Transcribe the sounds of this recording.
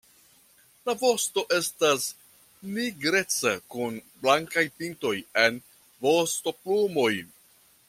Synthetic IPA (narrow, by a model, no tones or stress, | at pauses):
lavo̞sto̞ʔe̞stas | niɡɾe̞t͡sakunblaŋkajpinto̞je̞n | vo̞sto̞plumo̞j